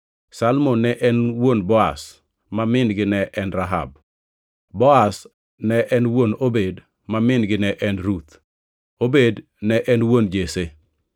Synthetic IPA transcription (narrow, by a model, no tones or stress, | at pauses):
salmonːɛʔɛnwonbɔa̰s | mamɪnɡɪnɛʔɛnɾaɦa̰b̚ | bɔas | nɛʔɛnwonobed | mamɪnɡɪnɛʔɛnɾut̪ | obed | nɛʔɛnwond͡ʒese